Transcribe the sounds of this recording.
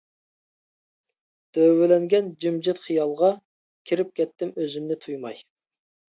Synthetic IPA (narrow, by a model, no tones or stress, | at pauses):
d̪̥øwɪlɛŋɡʲɛnd͡ʒimd͡ʒɪt̪χijɑlˠʁɑ | kʲʰiɾɪp̚kʲʰɛt̪ːɪmøzymnɪt̪ʰujmɑj